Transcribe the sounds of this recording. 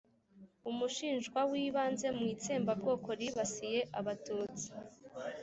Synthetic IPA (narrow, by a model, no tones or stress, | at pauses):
umuʃiːnʒɡwawiːβaːnze̞mŋiːt͡seːmbabɡo̞ːkʰo̞ɾiβasije̞ʔaβatuːt͡si̥